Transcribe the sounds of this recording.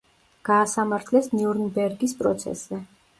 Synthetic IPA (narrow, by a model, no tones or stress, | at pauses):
ɡ̥aːsamaɾt̪ʰlɛsniuɾnbɛɾɡispʼɾɔ̰t̪sʰɛ̰szɛ